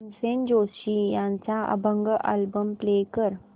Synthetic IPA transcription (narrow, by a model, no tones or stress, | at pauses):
nsend͡ʑoɕijãɲt͡saʔə̰bʱəŋɡəʔa̰lbəmplekəɾ